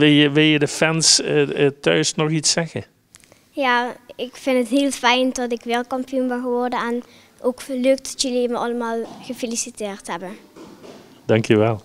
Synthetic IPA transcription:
ʋɪlˠjəʋɪlˠjədəfɛnstœ̰ɥsnɔxisːɛɣə | jaːɪkfɪntətɦiːlˠfɛjntɔtɪkʋɪːlˠkɑmpiunbɛnɣəʋɔrdəɛn | ʔokəløk̚tdɔtjəliməʔɑləmaːlˠɣəfelisiteːrtɦɛbə | dɑŋkʰjəʋɛlˠ

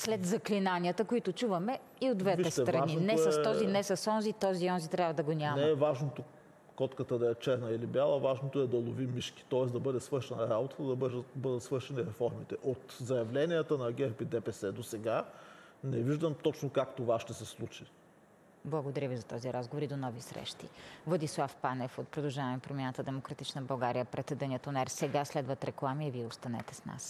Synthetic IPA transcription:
slɛd̪zɐklinaniət̪əkoit̪ot͡ʃuvɐmɛ | iod̪vɛtviɛst̪ɾɐninɛst̪ɔzinɛsɐsɔnzit̪ɔziɔnzit̪ɾʲavɐd̪ɐɡonʲamɛɛvaʒnot̪o | kɔt̪kət̪əd̪ɐɛt͡ʃɛɾnɐilibjalˠəvaʒnot̪oɛd̪ɐlˠovimːiʃki̥t̪ɔɛs̬d̪ɐbɤd̪ɛsvɤɾʃɛnɐɾabot̪ə̥t̪əd̪ɐbədəbɤd̪ət̪svɤɾʃɛniɾɛfɔɾmit̪ɛʔot̪zɐjɐvlɛniət̪ənɐɡʲɛɾpid̪ɛpɛsɛd̪osɛɡa | nɛviʒd̪əmt̪ɔt͡ʃnokakt̪ovaʃt̪ɛsɛslˠut͡ʃi | blˠɐɡod̪ɐɾʲjəvizɐt̪ɔziɾazɡovoɾid̪onɔvisɾɛ̰ʃt̪ḭvˠɐd̪islˠafpanɛfot̪̚pɾod̪ɐlˠʒavɐmɛpɾomʲjanət̪əd̪ɛmokɾɐt̪it͡ʃnəbɐlˠɡaɾijəpɾɛt̪ɛd̪ɛniət̪onɛɾsɛɡaslɛd̪vət̪ɾɛklˠamiɛviɛost̪ɐnɛ̰t̪ɛsna̰s

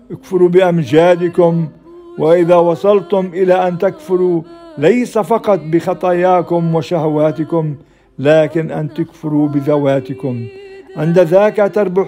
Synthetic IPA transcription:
ʔɪkfʊɾubɪʔamd͡ʒaːd̪ɪkʊm | waʔɪðaːwɑsˤɑlt̪ʊmʔɪlaʔant̪akfʊɾulajsafɑqɑt̪̚ˤbɪxɑt̪ˤɑjaːkʊmwaʃahawaːt̪ɪkʊm | laːkɪnʔant̪ʊkfʊɾubɪðawaːt̪ɪkʊmʕɪnd̪aðaːkat̪ɑɾˤbʊ

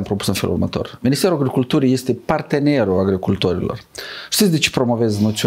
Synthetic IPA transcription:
mpɾo̞pu̥sɨnfe̞lṵrmə̰t̪o̞̰rminist̪eɾuaɡɾikult̪uɾije̞st̪e̞part̪e̞ne̞ɾuaɡɾikult̪o̞ɾḭlo̰rʃt̪it̪sʲd̪et͡ʃepɾo̞mo̞ve̞znot̪sʲ

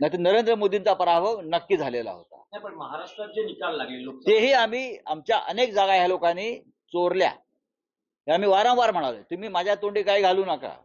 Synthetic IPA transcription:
nat̪enəɾend̪ɾəmod̪ʱint͡sapəɾabʱəʋnəkːiːd͡zʱalela̰ɦo̰t̪a̰apəɳməɦaɾaʂʈɾaenikalːaɡilokt̪eɦiːam̤iːamt͡ɕjaʔənek̚d͡zaɡajalokaniː | t͡soɾlja̰ | ɦeam̤iːʋaɾə̃wʋaɾm̤əɽ̃alət̪um̤iːmad͡ʑʱjat̪oɳɖiːkaiɡʱaluːnaka̰

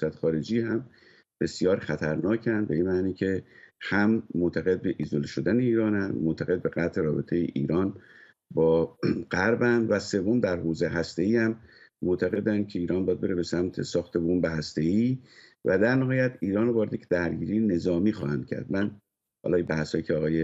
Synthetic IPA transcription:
jsæt̪ʰe̥xɒːɾed͡ʒiːhæm | b̥e̞sjɒːɾxæt̪ʰæɾnɒːcʰænd̪̚be̞inmæːniːcʰe̞hæmːot̪ʰæɣe̞d̪̚be̞ʔiːzoleʃod̪æneiːɾɒːnænd̪mot̪ʰæɣe̞d̪̚be̞ɣæt̪ʰeɾɒːbe̞t̪ʰe̞jḛʔiːɾɒːn | bɒːɢ̥æɾbænd̪væse̞vːo̞md̪æɾhoːzehæst̪e̞iːhæmːot̪ʰæɣe̞d̪ænd̪̚cʰe̞iːɾɒːnbɒjæd̪̚be̞ɾebe̞sæmt̪ʰe̞̰sɒːxt̪ʰe̞bombeɦæst̪e̞iːvæd̪æɾnæɦɒːjæt̪iːɾɒːnɾovɒːɾeekʰed̪æɾɟiːɾiːjene̞zɒːmiːxɒːhænd̪̚cʰæ̰ɾd̪mæn | hɒ̰ːlɒːjibæhshɒːjiːcʰeɒːɣɒːje

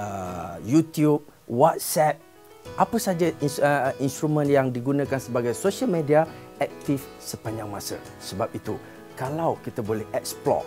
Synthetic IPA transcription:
əjut̪jup̚ | wat̪̚sɛp̚ | ʔapəsad͡ʒaninst̪ɾumə̃njaŋdiɡunãkansəbaɡajsoʃalmẽdiaɛk̚t̪ifsəpaɲd͡ʒaŋmasə̰ | səbap̚it̪u | kalawkit̪abolɛhʔɛk̚splɔ̰

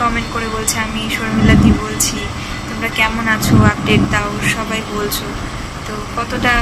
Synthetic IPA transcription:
ɔmeɳʈ̚koɾebolt͡ɕʰeamiʃoɾmilːat̪ibolt͡ɕʰi | t̪omɾakɛmonat͡ɕʰoap̚ɖeʈ̚t̪aoʃɔbajbolt͡ɕʰo | t̪o | kɔt̪oʈa

